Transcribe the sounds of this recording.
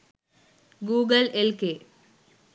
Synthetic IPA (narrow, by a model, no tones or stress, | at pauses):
ɡuːɡɐlelke